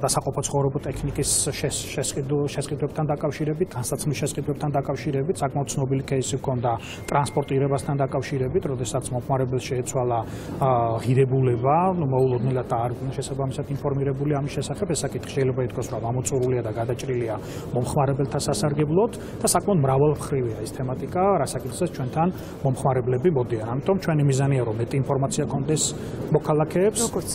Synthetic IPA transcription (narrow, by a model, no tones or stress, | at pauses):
d̪asaqʼɔpʰɔt̪sʰχɔvɾɛbɔt̪ʼɛkʰnikʼisʃɛɛsqʼid̪ʃɛsqʼid̪wɛb̚t̪ʰand̪akʼafʃiɾɛbit̪̚d̪ansat̪sʰχlisʃɛsqʼid̪wɛp̚t̪ʰand̪akʼafʃiɾɛbit̪ʰsakʼmaɔd̪t̪t̪sʰnɔbilikʰɛisivkʰɔnd̪a | t̪ʼɾanspʼɔɾt̪ʼiɾɛbast̪ʰand̪akʼafʃiɾɛbit̪ʰɾɔd̪ɛsat̪sʰmɔmχmaɾɛbɛlˠʃɛːt̪sʰwalˠa | ʁiɾɛbulɛbanumɔulˠɔd̪nɛlad̪̚d̪aːɾɡunɛʃɛsabamisad̪inpʰɔɾmiɾɛbuliamisʃɛsaχɛbɛsːakʼit̪ʰχi̥ʃɛilɛbait̪̚ʰkʰasɾɔmamɔt̪sʼuɾuliad̪aɡad̪at͡ʃʼɾilia | mɔmχmaɾɛbɛlt̪ʰasasaɾɡɛblˠɔt̪ʰ | d̪̥asakʼmɛɔd̪mɾavalˠmχɾiviaɛst̪ʰɛmat̪ʼikʼaɾasakʼit̪χz̥ɛt̪st͡ʃʰwɛnt̪ʰan | mɔmχmaɾɛblɛbimɔd̪ianamit̪ʼɔmt͡ʃʰwɛnimizaniaɾɔmːɛt̪ʼiːnpʰɔɾmat̪sʰiakʰɔnd̪ɛs | mɔkʰalˠakʰɛːps